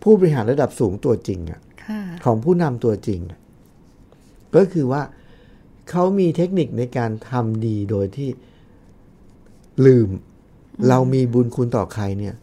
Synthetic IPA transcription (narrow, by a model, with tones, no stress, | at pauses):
pʰuː˥˩bɔ˧ɾi˧ɦaː˩˦nɾa˧da˨˩p̚suː˩˦ŋt̪u˧ɐt͡ɕi˧ŋʔa̰˨˩ʔkʰkʰɔː˩˦ŋpʰuː˥˩na˧mt̪u˧ɐt͡ɕi˧ŋa˨˩ʔ | kɔː˥˩kʰɯː˧waː˥˩ | kʰa˦˥wmiː˧t̪ʰe˦˥k̚ni˨˩k̚na˧jkaː˧nt̪ʰa˧mdiː˧doː˧jt̪ʰiː˥˩ | lɯː˨˩m | ɾa˧wmiː˧buː˧nkʰu˧nt̪ɔː˨˩kʰa˧jni˥˩ɐ